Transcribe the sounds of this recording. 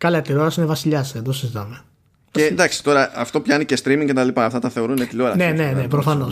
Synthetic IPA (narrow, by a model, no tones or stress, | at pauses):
kɐlɐt̪ilo̞ɾɐsinevɐsiʎɐsed̪osizit̪ɐme̞ | ed̪ɐksi̥t̪o̞ɾɐɐft̪o̞pçɐnice̞st̪ɾimiŋcet̪ɐlipɐɐft̪ɐt̪ɐθe̞o̞ɾuneiloɾɐnenne̞nepɾofɐno̞s